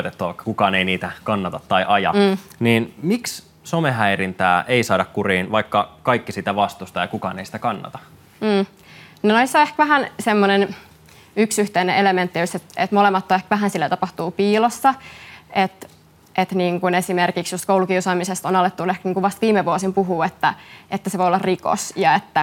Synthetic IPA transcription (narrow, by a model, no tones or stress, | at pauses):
t̪et̪ːuɑʋɑikːɑ̥kukɑːneiniːt̪ækɑnːɑt̪ɑt̪ːɑiʔɑjɑ̰ːniːnmiks | someɦæirint̪æ̰ːʔeisɑːdɑkkuriːnʋɑikːɑkɑikːisiːt̪æʋɑst̪ust̪ɑjɑkukɑ̰ːneisĭ̥t̪ækɑnːɑ̰t̪ɑ̥ | m̩ː | nonoisːoehkʋæɦænsemːonen | yksyht̪eineʔelement̪ːiyst̪et̪et̪molemːɑt̪ːoehkʋæɦænsilːæt̪ɑpɑht̪uːpiːlosːɑet̪ | ʔet̪niːŋkunesimerkiksjost̪koulukiusɑːmisest̪onɑlet̪ːunehkniːŋkuʋʋɑst̪ʋiːmːeʋuosimpuɦuːet̪ːæʔet̪ːæseʋoiolːɑriko̰sjɑet̪ːæ